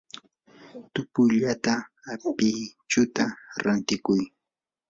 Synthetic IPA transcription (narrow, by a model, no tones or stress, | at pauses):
t̪ʊpʊjʎat̪aː | pɪt͡ʃʊt̪aɾant̪ɪkʊj